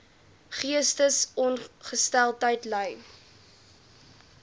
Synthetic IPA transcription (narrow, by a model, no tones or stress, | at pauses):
χiəstəsɔnχəstælˠtəjtləj